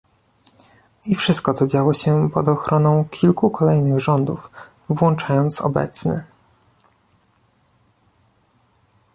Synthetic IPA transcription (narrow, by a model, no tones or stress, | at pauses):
ifʂɘst̪̚kɔt̪sɔd͡ʑawɔɕɛpɔd̪ɔxɾɔnɔ̃w̃kʲʰilkukʰɔlɛjnɘɣʐɔnd̪uf | vwɔnt͡ʂajɔnt̪sɔ̰bɛ̰t̪snɛ̰